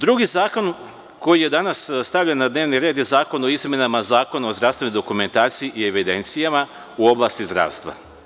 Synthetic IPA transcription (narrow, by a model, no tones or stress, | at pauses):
d̪ɾuɡizaːko̞n | ko̞jije̞d̪anasst̪aʋʎanːad̪neʋniɾe̞ːd̪jezaːko̞noizme̞namazaːko̞nao̞zd̪ɾaʋst̪enojd̪o̞kume̞nt̪aːt̪sijiʔie̞ʋid̪e̞nt̪sijama | uo̞blˠast̪izd̪ɾa̰ːʋst̪ʋa̰